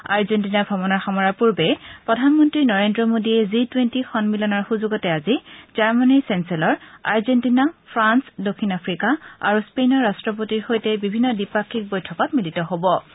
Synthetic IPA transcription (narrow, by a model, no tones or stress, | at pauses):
aɹzentinabʱɔbɔnaɹxamɔɹapuɹbɛpɹɔdʱanmɔntɹinɔɹendɹɔmodiɛzitwentixɔnmilɔnɔɹxuzuɡɔtɛazizaɹmanisɛnsɛlɔɹaɹzentinapʰɹansdokʰinapʰɹikaa̰ɹuspenɔɹastɹɔp̬otiɹxojtɛbibʱinːɔdipakʰːik̚bojtʰɔkɔtmilitɔɦobɔ